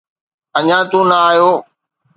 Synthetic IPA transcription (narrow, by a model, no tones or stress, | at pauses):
əɲãːt̪ũːnəaːjoː